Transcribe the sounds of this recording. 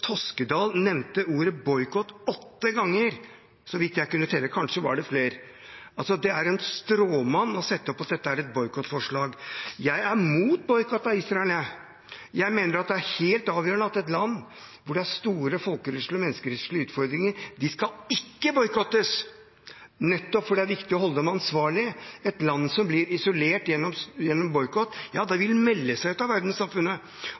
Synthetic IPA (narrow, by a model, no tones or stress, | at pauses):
t̪ʰɔskəd̪ɑːlnɛmnt̪əuːɾəbɔʏkɔt̪ɔt̪ːəɡɑŋːəɾ | sɔʋɪt̪jæɪkʉnːət̪ʰɛlːəkʰɑnʂəʋɑ̰ɖɛfleːɾ | ɑlsɔd̪ɛæɾɛnst̪ɾoːmɑnːɔsɛt̪ːəɔpːɑt̪̚d̪ɛt̪ːəæɾɛt̪̚bɔʏkʰɔt̪ːfɔʂɭɑːɡjæɪæɾmuːt̪̚bɔʏkɔt̪ːɑɪsɾɑɛlə | jæɪmeːnəɾɑt̪̚d̪ɛæɾheːlt̪ɑːʋjøːɾəɳəɑt̪ɛt̪lɑnː | ʋʊɖɛæɾst̪uːɾəfɔlkəɾʉʂləmɛnːəskəɾɛsʂɭɪəʉːt̪fɔɾd̪ɾɪŋəɾd̪ɪskɑɪkːəbɔʏkɔt̪ːəs | nɛt̪ːɔpfɔɖɛæɾʋɪkt̪ɪɔɦɔld̪ɔmɑnsʋɑːɭɪəɛt̪lɑnːsɔmblɪɾɪsɔleːʈjɛnːɔmjɛnːɔmbɔʏkɔt̪ːjɑːd̪ɛʋɪlmɛlːəsæɪʉt̪ɑʋæɾd̪nsɑmfʉnːə